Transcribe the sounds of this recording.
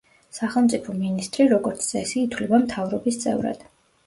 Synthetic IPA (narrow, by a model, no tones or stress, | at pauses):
saχɛlˠmt̪sʼipʰɔminist̪ʼɾiɾɔɡɔɾt̪sʰsʼɛsiːt̪ʰwlɛbamt̪ʰavɾɔbist̪sʼɛ̰vɾa̰d̪̥